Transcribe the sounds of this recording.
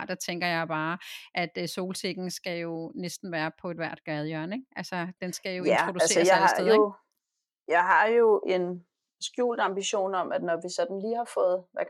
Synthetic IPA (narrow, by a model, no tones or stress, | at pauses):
d̥ɑ̈t͡sʰeŋɡ̥ɐjɑ̈ɪb̥ɑ̈ːʔæd̥so̝̰ːlse̝ɡ̥n̩sɡ̥æjo̝nesd̥n̩ʋæːɐpʰɒ̽e̝d̥ʋæɐ̰d̥̚ɡ̥æð̞ˠjœɐ̰neŋʔælsɐd̥ensɡ̥æjo̝iæt͡sʁod̥uæle̝sɐjɑɑdeðˠ | jɑ̈ɪɦɑ̈jo̝ʔe̝n | sɡ̥jṵːld̥ɑ̈mb̥iɕo̝̰ːnɒ̽mæd̥nɒʋisɒ̽d̥n̩liːhɑ̈fɔ̽ːð̞̩ˠʋæ